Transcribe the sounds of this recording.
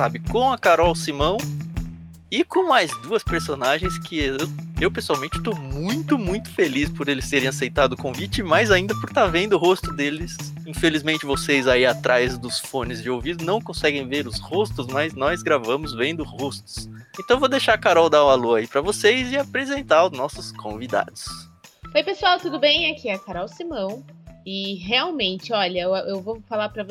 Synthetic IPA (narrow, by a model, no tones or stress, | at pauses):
sabɪkõw̃ɐkaɾɔwsimɐ̃w̃ | ɪkõmajzd̪uɐspeɾsonaʒẽj̃skʰɪewewpesuawmẽnt͡ʃɪ̥t̪omũj̃t̪ʊmũj̃t̪ʊ̥felispʊɾelɪst̪eɾẽj̃asejt̪ad̪ʊkõvit͡ʃɪmajzaĩnd̪ɐpʊɾt̪aɾvẽnd̪ʊɦost̪ʊd̪elɪs | ĩfelizmẽnt͡ʃɪvosejzaiat̪ɾʔajzd̪ʊsfõnɪzd͡ʒɪowvid̪ʊnɐ̃w̃kõsɛɡẽj̃veɾʊshost̪ʊzmɐznɔzɡɾavɐ̃mʊzvẽnd̪ʊhost̪ʊ̥sẽnt̪ɐ̃w̃vod̪ejʃaɾkaɾɔwd̪aɾũaluɐipɾɐvosejzɪapɾezẽnt̪aɾʊznɔsʊskʰõvid̪a̰d̪ʊs | ojpesuawt̪ud̪ʊbẽj̃akʰiɛkaɾɔwsimɐ̃w̃ɪɦeawmẽnt͡ʃɪɔʎɐʔewvofalapɾɐv